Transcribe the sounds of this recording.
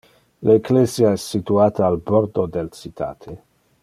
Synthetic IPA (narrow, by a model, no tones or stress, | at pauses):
lekleːzjaɛsːit̪uaːt̪aːlboɾd̪od̪elt͡sit̪ʰa̰ːt̪ʰe